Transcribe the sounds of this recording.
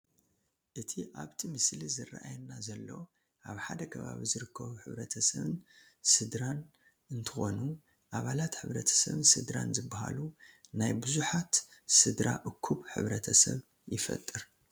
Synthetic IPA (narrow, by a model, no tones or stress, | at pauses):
ʔɨt̪ʰiʔaβt̪ʰimɨslizɨra̰ʔajɛnːazɐlːo̞ | ʔaβħad̪ɐkʰɐβa̰βizɨɾɨkʰːɐβuħɨβɾɐt̪ʰɐsɐβɨnsɨd̪ɾan | ʔɨnt̪ʰɨxo̞nu | ʔaβalat̪ħɨβɾɐt̪ʰɐ̥sɐβɨnsɨd̪ɾanzɨbːaha̰lunajbɨzuħat̪sɨd̪ɾa̰ʔɨkʰːuβħɨ̰βɾɐt̪ʰɐsɐβ | jɪfɐ̰t̪ʼːɨɾ